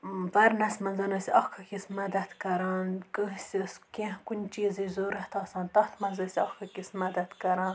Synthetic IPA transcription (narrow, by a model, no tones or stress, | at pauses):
bɐɾnɐsʲmɐnzɐnɐsʲɐxkʰɐkʲismɐd̪ɐt̪kɐɾaːnkɨɦsʲiskẽɦkunʲt͡ʃiːzizoːɾɐht̪ɑːsɑ̃ːnt̪ɐht̪ʰmɐnzɐsʲɐxkʰɐkʲismɐd̪ɐt̪kɐɾãːn